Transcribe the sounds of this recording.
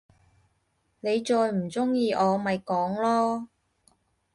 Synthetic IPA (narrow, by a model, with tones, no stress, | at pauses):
ne˨˧jt͡ʃɔː˧jm̩˨˩t͡sʊ˥ŋjiː˧ʔɔː˨˧mɐ˨jkɔː˨˥ŋlɔː˥